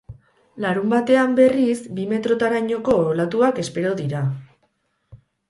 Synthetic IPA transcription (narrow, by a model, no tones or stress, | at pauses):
laɾumbat̪e̞ambe̞rizbime̞t̪ɾo̞t̪aɾajɲo̞ko̞olat̪uake̞spe̞ɾo̞ðiɾa